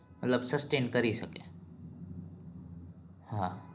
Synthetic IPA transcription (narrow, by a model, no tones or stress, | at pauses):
mɐt̪ləbsɐsʈeːnkɐɾisɐkẽ | hã